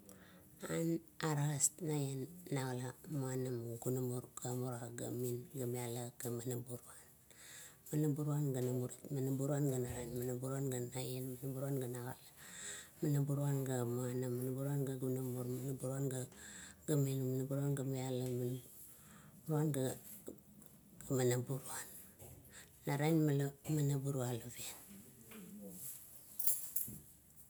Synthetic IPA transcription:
anaɾasnajenːaɡalamuanamuɡunamuɾɡ̥amuɾaɡa̰minɡamialaɡamanabuɾuan | manabuɾuanɡanamuɾitmanabuɾuanɡanaɾanmanabuɾuanɡanajenmanabuɾanɡanaɡa̰lamanabuɾuanɡamuanamanabuɾuanɡaɡunamuɾmanabuɾuanɡaɡamenmanabuɾuanɡamialaman | buɾuanɡa | ɡamanabuɾuanː | aɾajnmalamanabuɾualabien

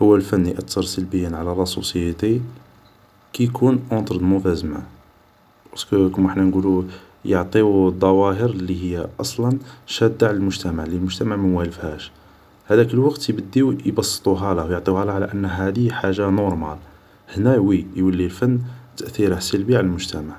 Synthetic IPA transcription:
həwːælfənːiʔæt̪ːɑɾˤsəlbəjːənʕalæɾˤɑsˤṵsˤəjːət̪i | kijkʰunʔɑ̃t̪ˤɾd̪mʊfæzəmæ̰ | ɑskkəməħnænɡulu | jəʕt̪ˤid̪ˤːɑwæɦəɾlːihəjːaʔɑsˤlɑnʃæd̪ːaʕləlmʊʒt̪æmaʕlilmʊʒt̪æmaʕmənwæləfhæʃ | hæd̪ækəlwɑqt̪jbəd̪ːiwjbɑsˤːə̥t̪ˤuɦælæwjəʕt̪ˤiwhælæʕlæʔənːɦæd̪iħaʒanɔɾˤmæl | hnæwijwəlːilfənːt̪əʔθiɾəhsəlbiʕaləlmʊʒt̪æmaʕ

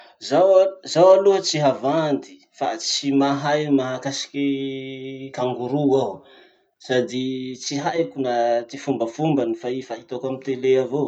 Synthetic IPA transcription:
zawzawaluət͡siɦavand̪i̥ | fa̰t͡simaɦajmaɦakasi̥kʲi | kaŋɡuɾuaw | sad̪it͡siɦajkunat̪ifumbəfumbanifaifait̪okamit̪eleavo

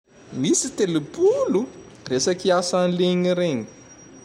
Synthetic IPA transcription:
misit̪elepulu | resakiasanleɲiɾeɲi̥

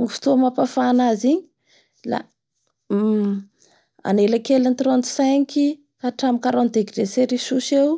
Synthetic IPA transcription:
ŋifi̥t̪umapafanaziɲi̥ | la̰ | a̰nelakelant̪ɾɔnt̪sɛŋki | kaʈ͡ʂamikaɾɔnd̪ekɖ͡ʐeseɾisusew

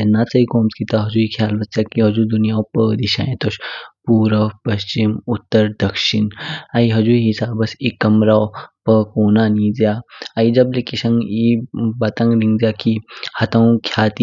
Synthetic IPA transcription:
ɐnːaːt͡sɐikoːmskit̪aɦɐd͡ʒuikʰjaːlbɐst͡ʃakiɦɐd͡ʒud̪unijaːwpəːd̪iʃa̰ːẽt̪oʃpuːɾəpɐɕt͡ʃimut̪ːəɾd̪ɐkʃinaiɦɐd͡ʒuiɦisaːbɐsikɐmɾaːwpəkoːnaːnid͡zjaːaid͡ʒɐblekiʃɐ̃ŋibɐt̪ãŋɡɾĩŋɡd͡zjaːkihɐt̪ɐ̃w̃kʰjaːt̪i

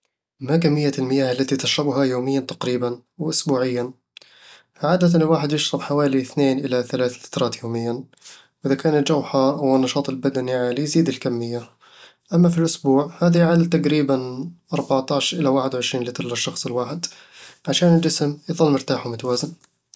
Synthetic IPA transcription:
makamːɪjːaɪlmɪjaːhalːat̪it̪ɪʃɾˤɑbʊɦajoːmɪjːant̪aqɾiːban | wɪʔʊsbuːʕɪjːan | ʕaːd̪at̪anlwaːħɪd̪jɪʃɾˤɑbħawaːliθneːnʔɪlaθalaːθfḁt̪ɾˤɑːt̪joːmɪjːan | wʔɪðakaːnɪt̪d͡ʒawħawɪnːɑʃɑːt̪ˤɪlbad̪aniʕaːlijziːd̪ɪlkamːɪjːa | ʔamːafilʔʊsbuːʕhaːðiʕaːd̪t̪ːaqɾiːbanʔɑɾˤbaʕt̪ɑːʕʃʔɪlawaːħɪd̪wʊʕɪʃɾiːnlɪt̪ɑɾˤlaʃːɑxsˤɪlwaːħɪd̪ | ʕaʃaːnɪld͡ʒɪsmjðˤɑlːmɪɾt̪aːħʊmʊt̪awaːzɪn

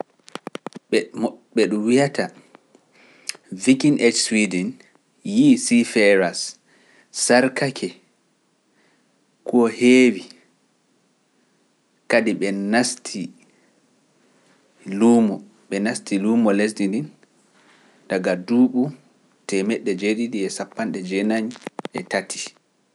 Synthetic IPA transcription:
ɔɓɛɗuwijatʰa | vikinʔet͡ʃswidɛn | jisifɛɾas | saɾkakʰɛ | kɔheːwi | kadiɓɛnastʰi | lumɔ | ɓɛnastʰilumɔles̬dindin | daɡaduːɓu | tɛmɛɗːɛd͡ʒeɗidiɛsapːanɗɛd͡ʒɛnaɲɛtatʰi̥

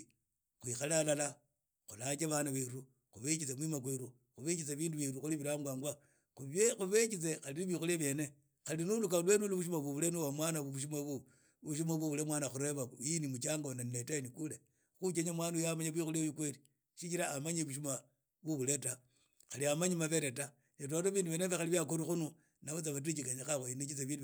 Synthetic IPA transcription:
xwixalalala | xulat͡ʃeβanaβeɾu | xuβet͡ʃit͡semwimakweɾu | xuβet͡ʃit͡seβiːnduβiɾuxuliβiɾaŋɡwaːŋɡwa | uβjexuβet͡ʃit͡sexaliniβixuleβje̞ne | xalinulukalwenuluβuʃ̬umaβuβulenuwamwanauβuʃ̬umaβu | uʃumaβuβulemwaːnaxuɾeβainimut͡ʃaŋɡonaninetainikule | xut͡ʃeɲamwaːnujamaɲaβixulejikweli | ʃit͡ʃiɾaːmaɲeβuʃ̬uma | βuβule̞ta | xaliamaɲimaβeɾeta | net̬otaβiːnduβenefexaliβjakoɾixunu | naβot͡saβat̬it͡ʃikaɲaxaxoinet͡ʃit͡seβiːdu

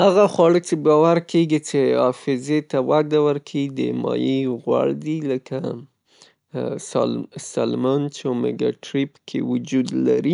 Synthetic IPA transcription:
haɣaxwɑɽət͡ʃebɑwaɾkeɡit͡ʃeɑfɪzet̪awaɡ̪awəɾkʰid̪ə̰mɑ̰jiɣwa̰ɽd̪iləka | sɑ̰salmɑnt͡ʃomeɡɑ̰ʈɾipkʰḛwʊd͡ʒud̪la̰ɾi

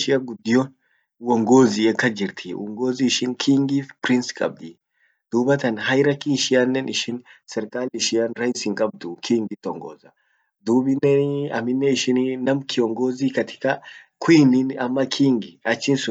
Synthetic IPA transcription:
ʃɪɐɡʊd̪ɪjɔn | wɔŋɡoːziɛkːɐd͡ʒɪɾt̪ʰiwɔ̰ŋɡoːziːʃɪnkʰiːŋɡiːfpɾɪnskʼɐ̰b̚d̪i | d̪̥uːbɐt̪ɐnɦɐjɾɐkiːʃɪjanːɛnɪʃɪnsɛɾkʼaːlɪʃɪjɐnɾɐjsɪŋkʼɐb̚d̪ʊkʰiːŋɡɪt̪ːɔŋɡɔ̰zɐ | d̪uːbɪnːɛɐ̰mɪnːɛɪʃɪnnɐmkʰɪɔŋɡoːzikɐt̪ʰɪ̥kɐ | kʰʊininɐmːɐkʰiːŋɡɪɐt͡ʃːɪnsʊ

